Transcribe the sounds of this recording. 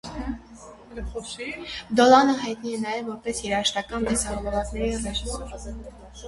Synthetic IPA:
d̪ɔlɑnəɦɑjt̪niɛnɑjɛvːɔɾpɛsjɛɾɑəʃt̪ɑkɑnd̪ɛsɑɾɔvɔvɑt͡snɛɾirɛʃ

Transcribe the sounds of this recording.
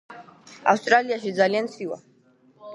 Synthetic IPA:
a̰fwst̪ʼɾaliaʃid̪zaliant̪sʰiva̰

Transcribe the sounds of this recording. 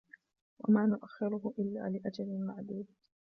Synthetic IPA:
wa̰maːnʊʔaxːɪɾʊɦʊʔɪlːa̰ːlɪʔad͡ʒalɪlmaʕd̪uːd̪

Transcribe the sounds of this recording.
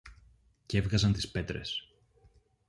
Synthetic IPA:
ce̞vɣɐzɐnt̪i̥spe̞t̪ɾe̞̰s

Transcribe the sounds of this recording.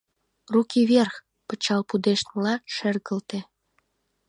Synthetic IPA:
rukiβerx | pət͡ɕɑlpud̪eʃt̪mlɑʃerɣə̆lt̪ĕ

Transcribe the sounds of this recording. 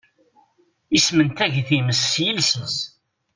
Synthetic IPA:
ismənt̪æʝθiməsːjəlsəs

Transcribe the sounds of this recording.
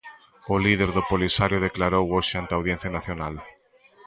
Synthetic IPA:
ʊlið̞eɾðʊpolisaɾjʊð̞eklaɾowoʃɪant̪awðjen̟θjanaθjonal

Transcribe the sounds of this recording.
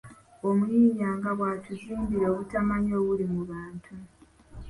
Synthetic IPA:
omuiːɲaːŋɡaβwaːtuziːmbiɾeo̞ːβutamaɲo̞ːβulimuβaːntʰu

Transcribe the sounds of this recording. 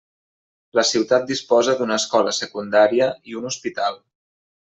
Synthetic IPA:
ləsiwt̪at̪̚d̪ispɔzəd̪unəːskɔləsəkund̪aɾiəiunuspit̪alˠ

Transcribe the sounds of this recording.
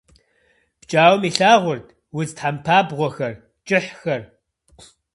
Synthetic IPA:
b̥t͡ʃʼaːwmiːɬaːʁʷʊrtʰʼ | wʊztħampʰaːbʁʷɔxɐr | t͡ʃʼɪħxɐr

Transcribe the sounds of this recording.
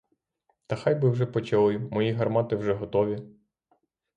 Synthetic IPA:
t̪ɐxɑjbɪwʒɛpɔt͡ʃɐlˠɪmɔjiɦɐrmɑt̪ɪwʒɛɦɔt̪ɔʋʲi

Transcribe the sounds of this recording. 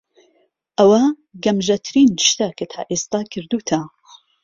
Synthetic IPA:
ʔɐwɐ | ɡɐmʒɐt̪ʰɨɾiːnʃt̪akʰat̪ʰa̰ːʔeːst̪aːkʰɨɾd̪uːt̪ʰɐ

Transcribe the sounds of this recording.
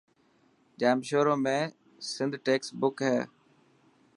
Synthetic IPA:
d͡ʒaːmʃoːɾõːmẽː | sɪnd̪ʱʈeːksbʊkɦɛː

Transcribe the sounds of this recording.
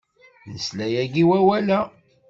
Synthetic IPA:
nəslæjæɡiwæwælæ

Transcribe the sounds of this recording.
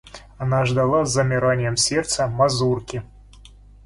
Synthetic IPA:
anaʐd̪ɐlˠazːɐmʲɪɾanʲjɛmsʲɛrt̪səmazurkʲi

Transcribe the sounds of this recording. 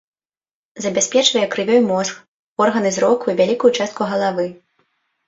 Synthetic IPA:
zɐbʲasʲpʲɛt͡ʂvɐjɛkɾɨvʲɔjmɔsk | ɔrɣɐnɨzɾɔkuvʲalʲikujut͡ʂast̪̚kuɣɐlˠavɨ

